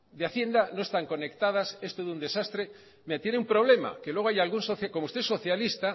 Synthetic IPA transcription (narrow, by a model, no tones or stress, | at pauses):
d̪eaθje̞nd̪ano̞e̞st̪aŋko̞ne̞kt̪að̞asest̪oðund̪e̞sast̪ɾe | meat̪jeneumpɾo̞β̞le̞ma̰kelwe̞ɣajalɣunsoθakomoust̪eeso̞θjalist̪a